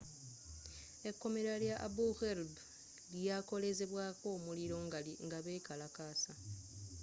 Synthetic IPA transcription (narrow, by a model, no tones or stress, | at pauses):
e̞kːo̞meɾaljaʔabuxeɾb | ljako̞le̞ze̞βwaːko̞ːmuliɾo̞ːŋɡaliŋɡaβe̞ːkalakaːsa